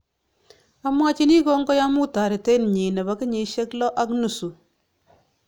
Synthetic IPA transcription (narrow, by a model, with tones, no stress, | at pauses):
a˨˦mwa˦t͡ʃi˦ni˦ko˦ŋɡɔ˦ja˦mu˦ta˨ɾi˨te˦n˨ɲi˨nɛ˨ba˨˦kɪ˦ɲi˨ʃe˦klɔ˦ʔa˦knu˨su˨